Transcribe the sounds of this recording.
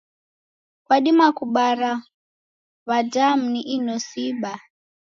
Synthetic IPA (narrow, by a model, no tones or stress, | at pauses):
kwaɗimakuɓara | βadam̩niʔinosiɓa